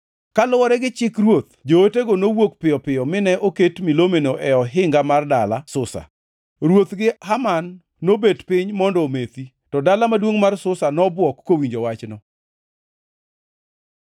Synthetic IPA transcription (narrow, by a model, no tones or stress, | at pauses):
kalʊwɔɾɛɡɪt͡ʃɪkrwot̪d͡ʒooteɡonowokpɪjɔpɪɔmɪnɛʔoketmilomenoʔɛɔɦɪŋɡamardalasʊsa̰ | ɾwot̪ɡɪhamanː | obedpɪɲmɔndɔomet̪i | tɔdalamadwoŋmarsʊsanɔbwɔkːowiɲd͡ʒowat͡ʃnɔ